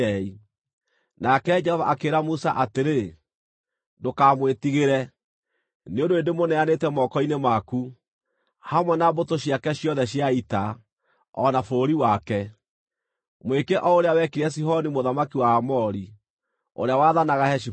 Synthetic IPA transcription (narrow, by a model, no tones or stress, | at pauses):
i | nakɛd͡ʒɛhɔva̰ʔakeːɾamusa̰ʔateɾe | ndokaːmwetiɣeɾɛ | neondoendemonɛanetɛmɔkɔinemaku | hamwɛnabotoɕjakɛɕjɔðɛɕjaita | ɔnafoɾiwakɛ | mwekɛʔɔoɾeawɛkiɾɛs̬iɦɔnimoðamakiwaːmɔɾi | o̰ɾeawaðanaɣahɛɕi